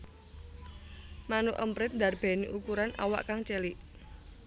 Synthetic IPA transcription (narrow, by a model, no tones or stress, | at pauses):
manuʔəmpɾɪt̪̚nd̪arb̥ɛ̤niʔukuɾanʔa̰wa̰ʔkaŋt͡ʃeliʔ